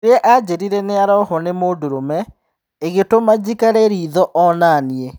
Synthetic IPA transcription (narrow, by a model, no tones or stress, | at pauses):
ɾeɛʔad͡ʑeɾiɾɛneaɾɔɦɔnemoːdoɾomɛ | eɣetomad͡ʑikaɾeɾiːðɔʔɔnanie